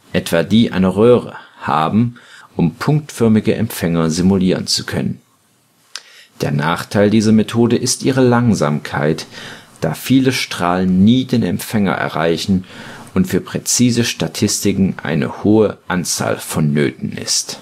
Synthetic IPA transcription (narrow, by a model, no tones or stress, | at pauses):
ʔɛtv̥aːdiːʔa̰ɪnəʁøːʁə̰ha̰ːbm̩ʔʊmpʰʊŋk̚tfœɐmɪɡəʔɛ̰mfɛŋɐzimuliːʁənt͡su̥kʰœ̰nən | d̥eːɐnaːχtʰaɪldiːzɐmetʰoːdəʔɪstʔiːʁəlaŋzaːmkʰaɪtd̥aːfiːləʃtʁ̥aːlənːiːdeːnɛ̰mfɛŋɐ̰ʔɛ̰ɐʁaɪçn̩ʊntfyːɐpʁ̥ɛt͡siːzəʃtatʰɪstɪkŋ̩ʔa̰ɪnə̰hoːəʔant͡sa̰ːlfɔnːøːtn̩ʔɪ̰st